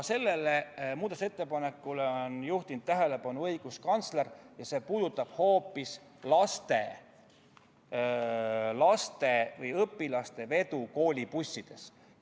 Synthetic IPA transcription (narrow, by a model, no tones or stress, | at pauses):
se̞lːe̞lemuːd̪ɑt̪set̪ːe̞pɑne̞kːˑuleonjuht̪ind̪t̪t̪ːæɦe̞le̞pɑnuɤjɡ̥uskɑnt̪sle̞rjɑse̞ːpuːd̪̥ut̪ːˑɑb̥ho̞ːpːˑis | lɑst̪e̞ | lɑst̪e̞vɤjɤpːˑilɑst̪e̞ve̞t̪uko̞ːlʲipusʲːid̪̥e̞s